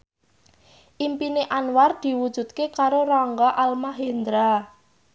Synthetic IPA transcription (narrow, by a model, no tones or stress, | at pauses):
ʔimpineʔanward̪̥i̤wud̥ʒ̥ṳt̪̚kekaɾorɔŋɡɔʔalmaɦend̪ɾa